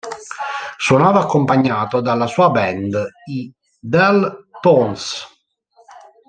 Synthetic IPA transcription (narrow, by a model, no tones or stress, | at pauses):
swonaːvaːkːompaɲːaːt̪od̪alːasuːabɛnd̪i | d̪ɛlpɔns